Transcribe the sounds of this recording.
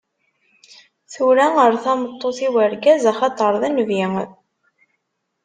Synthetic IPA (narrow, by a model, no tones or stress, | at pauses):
θuɾæəɾθɑmət̪ˤːoθiwəɾɡæzæχɑt̪ˤəɾˤðænviŋ